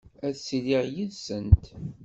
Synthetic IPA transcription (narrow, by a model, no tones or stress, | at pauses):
æðsliʁjiðsənt̪